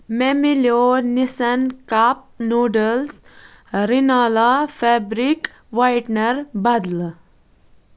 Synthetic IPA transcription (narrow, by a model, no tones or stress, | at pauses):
memiljonisɐnkap̚noːɖəls | ɾinaːlafɛbɾik | ʋajʈnɐɾbɐd̪l